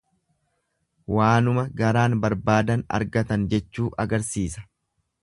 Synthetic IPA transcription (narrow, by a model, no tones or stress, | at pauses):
waːnʊmɐɡɐɾaːnbɐɾbaːd̪ɐnɐ̰ɾɡɐt̪ɐnd͡ʒɛt͡ʃːuːʔɐɡɐɾsiːsɐ̥